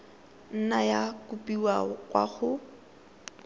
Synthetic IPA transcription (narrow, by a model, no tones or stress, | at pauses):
n̩najakʊpʼiwakʼwa̰χʊ